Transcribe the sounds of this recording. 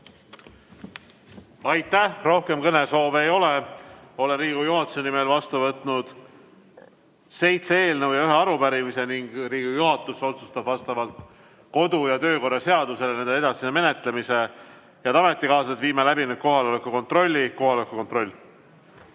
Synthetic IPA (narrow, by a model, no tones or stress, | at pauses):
ɑjt̪ˑːæhro̞hke̞mkɤne̞so̞ːvejo̞le̞o̞lenriːɡ̥ujuɦɑt̪ːˑu̥se̞nime̞lvɑst̪uvɤt̪ˑnud̪̥ | se̞jt̪see̞ːlnevwjɑyɦeɑɾupæɾimise̞niŋɡ̥riːɡujuɦɑt̪ːˑuso̞t̪sust̪ɑbvɑst̪ɑvɑlt̪ | ko̞d̪ujɑt̪ø̞ːko̞rːɑse̞ɑd̪̥use̞lene̞nd̪ee̞d̪ɑssinːeme̞ne̞t̪le̞mise̞ | jɑt̪ɑme̞t̪ːˑikɑːs̬ɑt̪viːmelæbinyd̪̚ko̞ɦɑlolekːˑuko̞nt̪ro̞lʲːiko̞ɦɑlekːˑukont̪ro̞lʲː